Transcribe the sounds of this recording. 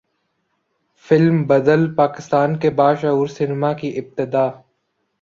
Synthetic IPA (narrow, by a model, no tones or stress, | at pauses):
fɪlmbɐd̪əlpaːkɪst̪aːnkebaːʃaːɦuːɾsɪnɪmakiʔɪb̚t̪ɪd̪aː